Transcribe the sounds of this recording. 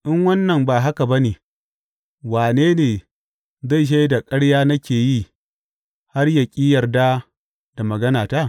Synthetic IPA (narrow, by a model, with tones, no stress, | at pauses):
ʔɪ˦ŋwɐ˦nːɐ˨mbaː˨ɦa˦ka˨bɐ˦neː˨ | waː˨neː˦neː˨ | za˦˨ʃ̬a˦jda˨kʼɐ˦ɽjaː˦nɐ˦kʲeː˨ji˦ | ha˦rjɐ˨kʲʼiː˦jɐ˨rdaː˦ | d̥a˨mɐ˨ɡɐ˦naː˨ta˦˨